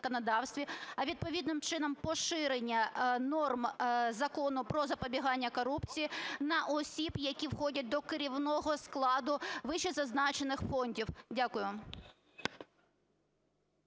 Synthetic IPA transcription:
kɔnɐd̪ɑwst̪ʋʲiɐʋʲid̪̚pɔʋʲid̪nɪmt͡ʃɪnɐmpɔʃɪɾenʲːɐnɔrmzɐkɔnʊpɾɔzɐpɔbʲiɦɑnʲːɐkɔɾupt͡sʲijinɐʔɔsʲibjɐkʲiwxɔdʲɐt̚ʲd̪ɔkɪɾʲiwnɔɦɔsklˠɑd̪ʊʋɪʃɛzɐznɑt͡ʃenɪxfɔnʲdʲiwdʲakʊjʊʋɑm

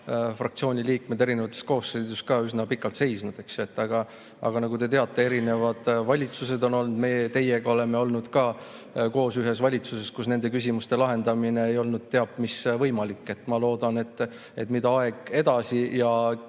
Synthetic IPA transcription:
frɑkt̪sio̞ːnʲiliːk̚me̞d̪eɾinevɑt̪ːˑesko̞ːsːed̪uskɑːysnɑpikːˑɑlt̪se̞jsnud̪̥e̞ksjoet̪ːˑɑɡ̥ɑ | ɑ̰ɡ̥ɑnɑɡ̥ut̪e̞t̪e̞ɑt̪ːˑe̞e̞ɾine̞vɑd̪̥vɑlʲit̪suse̞d̪o̞no̞lnud̪me̞ːt̪e̞jeɡ̥ɑo̞le̞me̞o̞lnud̪̥kɑː | ko̞ːsyɦe̞svɑlʲit̪suse̞skusne̞nd̪̥e̞kysʲimust̪e̞lɑɦe̞nd̪̥ɑmine̞ejo̞lnud̪̥̚t̪e̞ɑbmisvɤjmɑlikːˑe̞t̪ːˑmɑlo̞ːd̪ɑne̞t̪ːˑ | e̞̰t̪ːˑmid̪ɑɑe̞ɡ̥e̞d̪̥ɑsijɑ

